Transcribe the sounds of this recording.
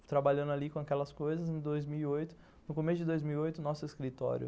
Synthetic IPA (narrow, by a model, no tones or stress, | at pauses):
t̪ɾabaʎɐ̃nd̪alikõakɛlɐskojzɐzẽd̪ojzmiwiojt̪ʊ̥ | nʊkomesʊd͡ʒɪd̪ojzmiwiojt̪ʊnɔsʊeskɾit̪ɔ̰ɾjʊ̰